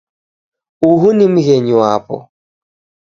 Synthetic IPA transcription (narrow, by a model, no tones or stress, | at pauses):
uɦunim̩ɣɛɲuaːpɔ̰